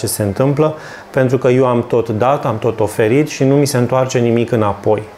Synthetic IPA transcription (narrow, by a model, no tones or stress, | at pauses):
t͡ʃe̞se̞ɨnt̪ɨmplə | pe̞nt̪ɾukəje̞wamt̪o̞t̪d̪at̪amt̪o̞t̪o̞fe̞ɾit̪ʃinumise̞ɨnt̪oart͡ʃe̞nimikɨnapo̞j